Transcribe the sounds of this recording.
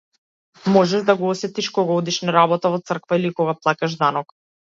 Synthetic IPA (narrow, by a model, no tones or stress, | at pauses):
mɔʒɛʒd̪aɡɔɔsɛt̪iʃkɔɡaɔd̪iʃnaɾabɔt̪avɔt̪sr̩kvailikɔɡaplˠakaʒd̪anɔk